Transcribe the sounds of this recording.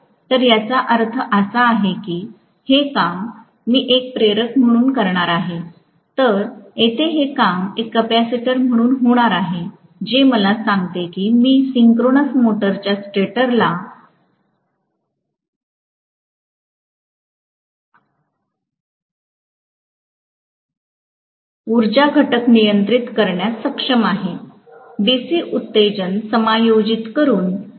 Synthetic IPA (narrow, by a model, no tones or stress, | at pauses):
t̪əɾjat͡saʔəɾt̪ʰəʔəsaːɦekiː | hekamː | iːʔek̚pɾeɾəkm̤əɽ̃uːnkəɾɳ̃aɾaɦe | t̪əɾet̪ʰeɦekamekːəpæsiʈəɾm̤əɽ̃uːnɦoɽ̃aɾaɦe | d͡ʑeməlasãŋɡt̪ekiːmiːsiŋkɾonəsmoʈəɾt͡ɕjasʈeʈəɾla | uɾd͡ʑaɡʱəʈəknijənt̪ɾit̪kəɾɳjasəkʂəmaɦe | ɖisiːʔut̪ːed͡ʑənsəmajod͡ʑit̪kəɾuːn